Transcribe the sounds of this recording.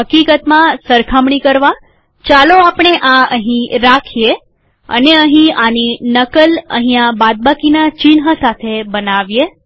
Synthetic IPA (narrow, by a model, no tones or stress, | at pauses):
ɦəkikət̪mãsəɾkʰamɳikəɾʋa | t͡ʃaloapɳ̃eʔãəɦĩɾakʰie | ə̰neəɦĩaninəkələ̰ɦĩãbad̪̚bakinat͡ʃinɦəsat̪ʰebənaʋje